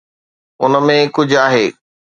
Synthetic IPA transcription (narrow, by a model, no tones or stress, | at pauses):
ʊnəmẽkʊd͡ʑʱaːɦeː